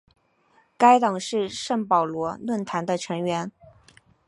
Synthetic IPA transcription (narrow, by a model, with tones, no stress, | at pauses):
ka˥ɪt̪ɑ˨˩ŋʂɻ̩˥˧ʂə˥˩ŋpɑ˨˩ʊlwɔ˧˥nwə˥˩nt̪ʰa˧˥nd̪ə˧ʈ͡ʂʰɤ˧˥ŋɥɛ˧˥n